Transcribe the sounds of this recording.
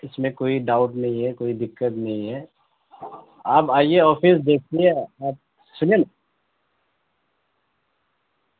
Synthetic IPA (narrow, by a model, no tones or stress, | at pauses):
ɪsmẽkoːiɖaːʊʈnɐɦĩɦɛkoːid̪ɪkːət̪nɐɦĩɦɛː | aːpaːijeɔːfiːsd̪eːk̚ʰt̪iɦɛaːp̚ | sʊnen